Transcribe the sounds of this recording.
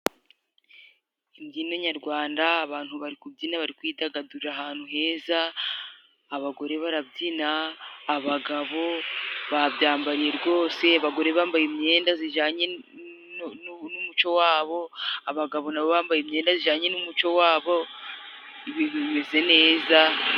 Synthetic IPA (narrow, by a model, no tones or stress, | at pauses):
imɟinoɲaɾɡwaːndaːβaːn̥huβaɾikubɟinaβaɾikwiːdaɡaduɾiɾaɦaːn̥huɦe̞ːzaː | βaɡo̞ɾe̞βaɾabɟinaːβaɡaβo̞βaβɟaːmbaɾije̞ɾɡo̞ːse̞aβaɡo̞ɾe̞βaːmbajemɲe̞ːndaziʒaːɲe̞ | numut͡ʃo̞waːβo̞aβaɡaβo̞naβoβaːmbajemɲe̞ːndaziʒaːɲe̞numut͡ʃo̞waːβo̞ | iβiβime̞ze̞ne̞ːza